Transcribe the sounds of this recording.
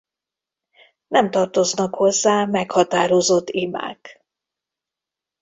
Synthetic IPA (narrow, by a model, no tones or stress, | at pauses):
nɛmt̪ɒrt̪o̞znɒkho̞zːaːmɛkhɒt̪aːɾozo̞t̪ːima̰ːk